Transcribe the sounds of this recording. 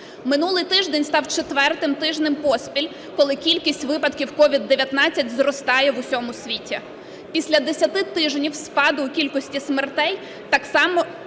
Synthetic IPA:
mɪnulˠɪjt̪ɪʒd̪enʲst̪ɑwt͡ʃet̪ʋɛrt̪ɪmt̪ɪʒnɪmpɔsʲpʲilʲ | kɔlˠɪkʲilʲkʲisʲtʲʋɪpɐd̪kʲiwkɔʋʲid̪ːeʋʲjɐt̪nɑt͡sʲːɐtʲzrɔst̪ɑjɛʋʊsʲɔmʊsʲʋʲitʲi | pʲisʲlʲɐd̪esʲɐt̪ɪt̪ɪʒnʲiwspɑd̪ʊːkʲilʲkɔsʲtʲismert̪ɛj | t̪ɑksɑmɔ

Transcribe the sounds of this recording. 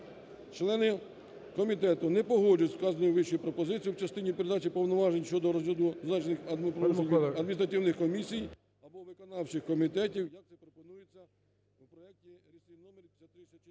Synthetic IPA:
t͡ʃlˠɛnɪ | kɔmʲit̪ɛt̪ʊnɛpɔɦɔd͡ʒɐtʲskɑzɐnɔjʊʋɪʃɔjupɾɔpɔzɪt͡sʲijuwt͡ʃɐst̪ɪnʲipeɾed̪ɑt͡ʃipɔwnɔʋɑʒenʲʃt͡ʃɔd̪ɔɾɔzʋʲid̪ʊznɑt͡ʃnɪxɐd̪pɾɔuɐd̪mʲnʲist̪ɾɐt̪ʲɪwnɪxkɔmʲisʲij | ɐbɔʋɪkɔnɑwt͡ʃɪxkɔmʲit̪ɛtʲiwjɐk̚t̪sɛpɾɔpɔnujet͡sʲːɐ | upɾɔɛk̚tʲiɾʲisɪnɔmeɾʲpsʲɐt̪ɾɪsʲɐ

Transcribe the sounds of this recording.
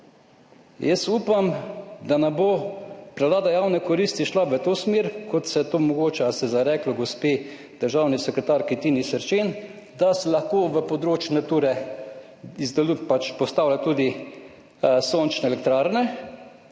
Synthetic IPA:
jəsuːpamd̪anɛbopɾɛwlaːd̪ajawnɛkɔɾist̪iʃlaʋət̪oːsmeːɾkɔt̪sɛt̪oːmɔɡoːt͡ʃɛsɛzaɾɛːklɔɡɔspeː | d̪̥əɾʒaːwnisɛkɾɛt̪aɾkit̪iːnisəɾt͡ʃen | d̪asɛlaxkoːʋəpɔd̪ɾoːt͡ʃjunat̪uːɾɛ | izd̪ɛlupat͡ʃpɔst̪aːwlʲat̪ud̪i | soːnt͡ʃnɛɛlɛk̚t̪ɾaːɾnɛ

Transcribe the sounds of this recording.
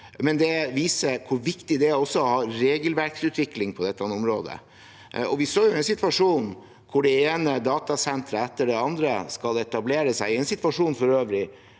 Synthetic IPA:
mɛnd̪ɛʋiːsəɾkʰʊɾʋɪkt̪ɪd̪ɛæɾɔsːɔhɑːɾeːɡəlʋæɾksʉːt̪ʰʋɪklɪŋpʰɔd̪ɛt̪ːɑnɔmɾo̰ːd̪ə̰ | ɔʋɪsoːjʊɛnsɪt̪ʋɑʂuːn | kʰʊɖɛeːnəd̪ɑːt̪ɑsɛnt̪ɾəɛt̪ːəɖɛɑnd̪ɾə̰skɑlɛt̪ɑbleːɾəsæɪɪɛnsɪt̪ʋɑʂuːnfɔɾøːʋlɪ

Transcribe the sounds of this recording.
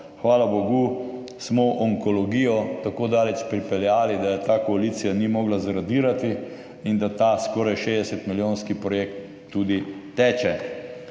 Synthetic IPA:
xʋaːlaboɡu | smɔʔɔŋkɔlɔɡiːjɔt̪akoːd̪aːlɛt͡ʃpɾipɛljaːlid̪ajɛt̪aːkɔaliːt̪sijanimɔːɡlazɾad̪iːɾat̪i | ind̪at̪askɔːɾajʃeːd̪ɛsɛt̪miljoːnskipɾɔjekt̪ː | ud̪it̪ɛːt͡ʃɛ

